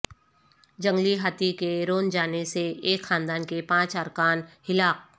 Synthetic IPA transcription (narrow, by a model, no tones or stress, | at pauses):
d͡ʒə̃ŋɡliɦat̪ikeɾoːnd͡ʒaːneseeːkxãːnd̪aːnkepãːt͡ʃəɾkaːnhɪlaːk̚